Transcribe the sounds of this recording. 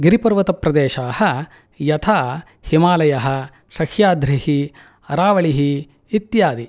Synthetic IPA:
ɡiɾipɐɾʋɐt̪ɐpɾɐd̪eːʃaːhɐ | jɐt̪ʰaː | himaːlɐjɐɦɐ̆ | sɐkʰjaːd̪ɾihi | ɐɾaːʋɐɭiɦiː | t̪jaːd̪i

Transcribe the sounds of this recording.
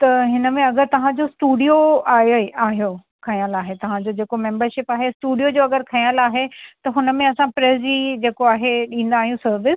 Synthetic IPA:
t̪ɐɦɪnə̆mẽɐɡəɾt̪ɐʋ̤ãd͡ʑosʈuːɖijoaːaːɦijo | kʰɐjəlaːɦet̪ɐʋ̤ãd͡ʑod͡ʑeːkomẽːmbəɾʃɪpaːɦesʈuːɖijod͡ʑoːɐɡəɾkʰɐ̃jəlaːɦet̪ɐɦʊnəmẽɐsãpɾeːzd͡ʑiːd͡ʑeːkoaːɦeɗĩːn̆d̪aːɦijũsɐɾʋɪs

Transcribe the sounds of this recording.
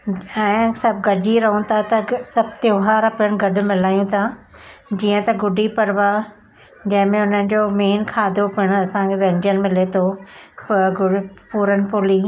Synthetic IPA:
ɛ̃ːsɐb̚ɡɐd͡ʑiɾɐɦũt̪ʰat̪ɐsɐb̚ʱt̪joːɦaːɾɐpəɽ̃̆ɡɐɖʊ̆mɪlaːjũt̪ʰaː | d͡ʑiːə̃t̪ɐɡʊɖʱipɐɾʋa | d͡ʑɐ̃ɦɪ̃mẽʊn̤ənɪ̆d͡ʑoːmeːnkʰaːd̪ʱopʊɪɽ̃ɐsãkʰeʋɐ̃ɲd͡ʑənmɪlet̪ʰopɡʊɖpuːɾənɪ̆pʊːliː

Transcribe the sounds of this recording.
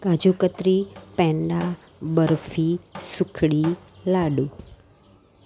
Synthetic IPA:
ɡad͡ʒukət̪ɾipɛ̃ɳɖa | bəɾfisukʰɽilaɖu

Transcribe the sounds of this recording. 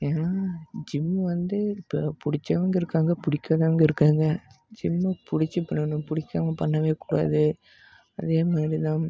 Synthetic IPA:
enad͡ʒɪmːɯʋɐnd̪ɯpːɐpʊɽɪt͡ʃːɐʋɐŋɡɐɪɾɯkːaːŋɡɐpʊɽɪkʲːɐðɐʋɐŋɡɐɪɾɯkːaːŋɡɐ | d͡ʒɪmːɯpʊɽɪt͡ʃːɯpɐɳːɐnʊ̃pʊɽɪkʲːaːmɐpɐɳːɐʋeːkuːɽa̰ːðɯ | ɐðeːmaːd̪ɾit̪ãː

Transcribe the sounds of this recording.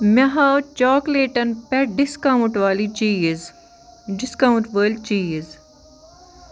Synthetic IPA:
mɐɦaːwt͡ʃɔːkleːʈɐnpɛɖɪskaʊ̃ɳʈʋaːlit͡ʃiːiz | ɖɪskaũɳʈʋəːlɖ̚t͡ʃiːiz

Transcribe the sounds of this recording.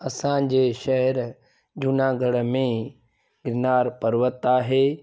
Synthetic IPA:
ɐsãd͡ʑeːʃɐɦɛɾ | d͡ʑʊnãɡʱɐɽə̆mẽ | ɡɪɾɪnaːɾpɐɾʋət̪aːɦeː

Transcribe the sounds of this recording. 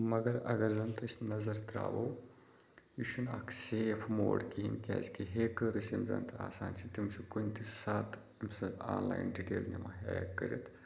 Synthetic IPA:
mɐɡɐɾɐ̰ɡɐɾzɐnt̪ʰɐsʲnɐzɐɾt̪ɾa̰ːʋoː | iʃʰuna̰kʰseːfʰmo̰ːɽkiɦinkʲa̰ːzkiɦeːkɐɾɨsimzɐ̰nt̪ʰɨa̰ːsaːnt͡ʃʰit̪imsɨkunʲt̪isaːt̪ | imsɐaːlajnɖiʈeːlnimaɦeːj̰kːɐ̰ɾʲɐ̰t̪ʰ

